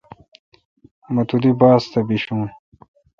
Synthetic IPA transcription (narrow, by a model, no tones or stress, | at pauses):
mɐt̪ud̪ibaːst̪ɐbiɕũː